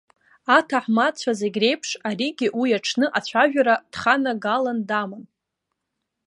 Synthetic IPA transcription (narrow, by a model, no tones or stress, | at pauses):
atʰaħmat͡ɕʷʰazeɡʲre̞jpʰʂaɾiɡʲiʔwijaʈ͡ʂʰnɨʔat͡ɕʷʰaʒᶣaɾad̥χanaɡalandamɨn